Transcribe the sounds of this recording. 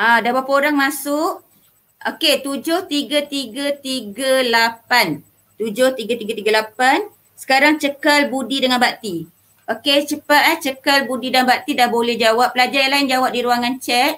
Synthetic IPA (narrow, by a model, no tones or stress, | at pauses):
adawapoɾaŋmasʊʔ | oket̪ud͡ʒʊht̪iɡat̪iɡət̪iɡəlapan | t̪ud͡ʒʊht̪iɡat̪iɡat̪iɡalapan | sə̥kaɾaŋt͡ʃəkalbudidəŋanbat̪i | ʔoket͡ʃəpaʔ̪̚aht͡ʃəkalbudidəanbaʔt̪idahbolɛhd͡ʒawap̚pəlad͡ʒajalaɪnd͡ʒawap̚diɾuaŋant͡ʃɛt̪̚